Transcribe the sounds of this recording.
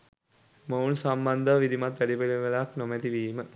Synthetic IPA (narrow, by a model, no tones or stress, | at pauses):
mounsamband̪əʋid̪imat̪ʋæɖipelimʋelaaknomɛd̪iʋiːmə